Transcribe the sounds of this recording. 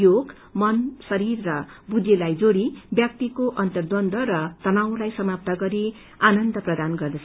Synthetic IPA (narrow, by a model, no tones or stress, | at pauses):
joɡ | mʌnsʌɾirːʌ | bud͡zelajd͡zoɾibjak̚t̪ikoʔʌnt̪ʌrd̪ʌnd̪ʌɾʌt̪ʌnaw̃lajsʌmap̚t̪ʌɡʌɾi | anʌnd̪ʌprʌd̪anɡʌrd̪ʌt͡sʰ